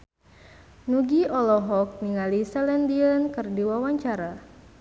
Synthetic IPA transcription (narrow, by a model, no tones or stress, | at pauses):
nuɡiʔɔlɔɦɔk̚niŋalisɛlɛndiənkɨrdiwawaɲt͡ʃaɾa